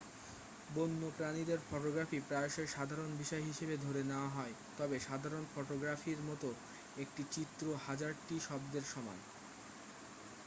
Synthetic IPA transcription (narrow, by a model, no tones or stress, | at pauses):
bonːopɾanid̪eɾfɔʈoɡɾafipɾaoʃeɾʃad̪ʱaɾonbʱiʃɔeɦiʃebed̪ʱoɾeneoaɦɔe | t̪ɔbeʃad̪ʱaɾonfɔʈoɡɾafiɾmɔt̪o | ek̚ʈit͡ɕit̪ːɾohad͡ʑaɾʈiʃɔb̚d̪eɾʃɔma̰n